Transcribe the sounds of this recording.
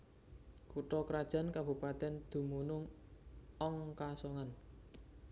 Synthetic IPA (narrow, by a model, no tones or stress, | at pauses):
kuʈɔkɾad̥ʒ̥a̤nkab̥ṳpat̪ɛnd̪̥ṳmunʊŋ | ɔŋkasɔŋan